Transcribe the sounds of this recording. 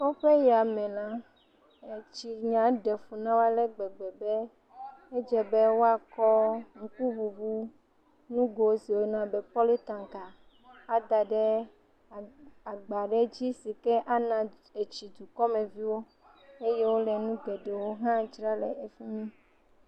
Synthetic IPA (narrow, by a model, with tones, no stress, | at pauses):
kɔ˦ɸe˦ja˨mɛ̃˨lã˦ | e˨t͡ʃi˨ɲã˨ɖɛ˨fu˨nã˦wa˦lɛ˦ɡ͡bɛ˨ɡ͡bɛ˨bɛ˦ | e˦d͡ʒɛ˨be˦wo˦a˨kɔ˦ŋ̩˦˨ku˦βu˨βu˦ | nũ˦ɡo˨˦si˨wo˦nã˨bɛ˨pɔ˦le˦t̪ã˨ŋka˨ | a˦d̪a˨ɖɛ˦˨ | a˨ɡ͡ba˨ɖɛ˦d͡ʑi˦si˨kɛ˦ʔa˦nã˨ | e˨t͡ʃi˨d̪u˨kɔ˦mẽ˨vi˦wo˦ | e˦je˦wo˦lɛ˨nũ˦ɡɛ˨ɖe˨wo˦ɦã˦d͡ʒɾa˦lɛ̰˨ʔe˨fi˦mĩ˦